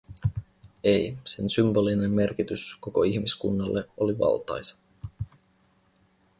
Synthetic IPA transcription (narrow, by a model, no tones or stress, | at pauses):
e̞jse̞nsymbo̞line̞mːe̞rkit̪ysko̞ko̞içmiskṵnːɑlːʔeo̞liʋɑ̰lt̪ɑ̰jsɑ̥